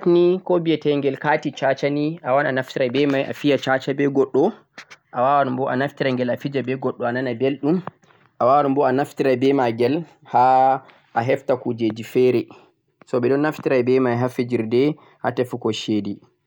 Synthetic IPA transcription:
tnikɔbijɛtɛŋɡɛlkatit͡ʃat͡ʃaniʔawananaftiɾajbɛmajʔa̰fijat͡ʃat͡ʃabɛɡɔɗːɔ | ʔawawanmbɔʔanaftiɾaŋɡɛlafid͡ʒabɛɡɔɗːɔananabelɗum | ʔawawanmbɔanaftiɾabɛmaɡɛl | ha | ʔaɦɛftakud͡ʒed͡ʒifɛɾɛ | sɔbɛdɔnːaftiɾajbɛmajɦafid͡ʒiɾdɛ | ha̰tɛfukɔʃedi

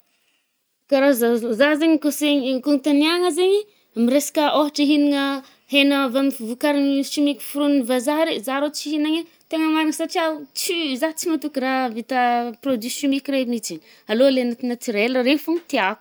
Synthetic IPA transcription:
kaɾazazazeɲikoseɲkuŋit̪aniaŋəzeɲi | miɾesḁkəʔoɦaʈ͡ʂəɦiniŋə | henavamifuvukaɾiniʃimikʲi̥fuɾunnivazaɦɾizaɾot͡siɦinaŋe | t̪eŋəmaɾaŋəsaʈ͡ʂiaut͡sizat͡simat̪ukuɾaɦvit̪aprod̪yʃumikʲremit͡sin | alolenat̪inat͡siɾeləɾefuŋit̪iaku̥

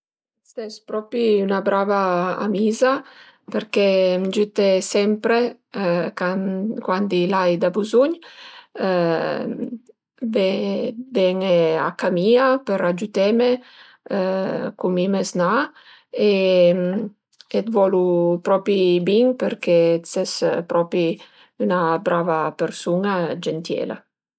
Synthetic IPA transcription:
st̪ɛspɾɔpiynabɾavaa̰miːza | peɾkɛmd͡ʒyt̪esɛmpɾe | kakwand̪ilajd̪abuzuɲ | vɛvɛŋea̰kamiapeɾad͡ʒut̪ɛme | kumimezna | e | et̪vɔlupɾɔpibiŋpeɾkesɛspɾɔpɾi | ynabɾavapeɾsunad͡ʒɛnt̪jɛ̰ːla̰

